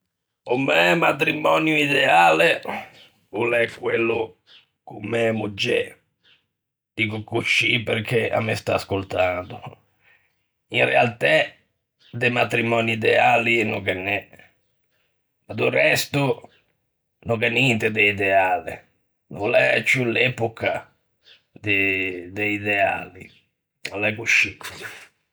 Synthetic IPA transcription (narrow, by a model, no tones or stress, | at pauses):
omːɛmat̪ɾimɔːnjuid̪ɛaːle | ulɛkːwelːʊ | kumːɛmud͡ʒːɛ | d̪̥iːkʊkut͡ʃːipeɾk̟ʰea̰mːɛst̪a̰ːskolt̪and̪ʊ | inrɛ̰alt̪ɛ | d̪emat̪ɾimɔniid̪ɛaːlinokɛnːɛ | mad̪urɛst̪ʊ | nokɛnːint̪ed̪eid̪ɛaːlɪ̰ | nolɛt͡ʃːulɛpoka | d̪ed̪eid̪ɛa̰ːli | alɛkuʃːi